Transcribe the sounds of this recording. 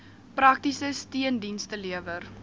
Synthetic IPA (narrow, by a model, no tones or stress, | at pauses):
prɐk̚tisəstiəndinstəliəvər